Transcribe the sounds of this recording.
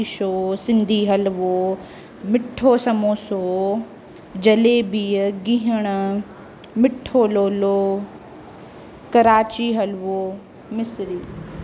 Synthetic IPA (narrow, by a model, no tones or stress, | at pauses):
ʃoːsɪ̃nd̪ʱiːɦɐlʋoː | mɪʈʰoːsɐmoːsoː | d͡ʑɐlebiːɡĩɦəɽ̃ | mɪʈʰoːloːloː | kɐɾaːt͡ɕiɦɐlʋoː | mɪsɾiː